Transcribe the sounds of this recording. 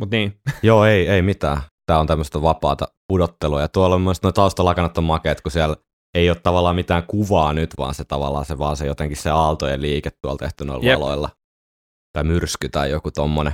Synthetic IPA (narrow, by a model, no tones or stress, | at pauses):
mut̪niːjoːeieimit̪æ̰ːt̪æːont̪æmːəst̪ɑʋɑpɑːt̪ɑpudot̪ːeluɑjɑt̪uɑlmːost̪noit̪ɑust̪ɑlɑˑkɑnɑt̪ːomɑkeːt̪kusiæl | eioːt̪t̪ɑʋɑlːˑɑːmit̪æːŋkuʋɑːnyt̪ʋɑ̰ːnset̪ɑʋɑ̰lːˑɑ̰ːseʋɑːnsejot̪eŋkisseɑlt̪ojeliːket̪t̪uɑlt̪ḛht̪yno̰ilʋɑlo̰ilːɑ | t̪ɑimyrskyt̪ɑijokut̪omːone